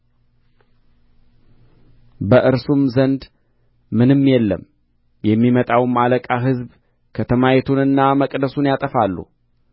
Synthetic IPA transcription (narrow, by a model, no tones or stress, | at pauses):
bəʔɨɾsumzənd̪ | mɨnɨmːjɛlːəm | jɛmːimət̪ʼawmaləkʼaɦɨzb | kʰət̪ʰəmajɛt̪ʰunɨnːaməkʼd̪əsunjat̪ʼəfalːṵ